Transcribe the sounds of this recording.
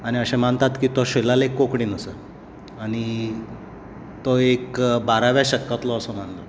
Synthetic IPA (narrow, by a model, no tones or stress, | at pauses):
aɽ̃iəɕẽm̤aɳt̪at̪kiːt̪ɔɕelalekːokɽiːnəsə | aɽ̃i | t̪ɔekbaɾaʋjaɕəkːat̪lɔːsɔm̤anlɔ